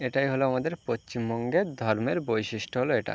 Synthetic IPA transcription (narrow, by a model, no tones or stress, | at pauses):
eʈajɦoloamad̪eɾpost͡ɕimbɔŋɡed̪ʱɔɾmeɾbojʃiʃʈoɦoloeʈa̰